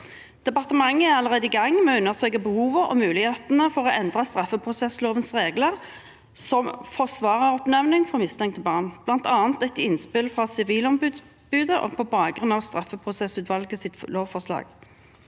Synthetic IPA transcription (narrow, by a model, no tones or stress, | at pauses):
d̪̥ɛpɑʁt̪əmɑŋːəæʁɑləʁeːd̪əɪɡɑŋːmɛʉnːəʁsœʏkəbəhuːʋəʁɔ̰mʉːlɪheːt̪nəfɔʁɔːɛnd̪ʁɑst̪ʁɑfːəpʰʁʊsɛsloːʋənsʁeːɡləʁ | sɔmfɔʁsʋɑːʁəʁɔpnɛʋnɪŋfɔʁmɪst̪ʰɛŋk̚t̪ʰɪbɑːʁnb̥lɑnt̪ɑːnt̪ɛt̪ɪnspɪlfʁɑsɪʋiːlɔmbʉːd̪s | bʉːd̪əʔɔ̰pʰɔbɑːɡʁʉnɑʋst̪ʁɑfəpʰʁʊsɛsʉːt̪ʋɑlɡəsɪt̪loːʋfɔʁʂlɑ̰ːɡ̥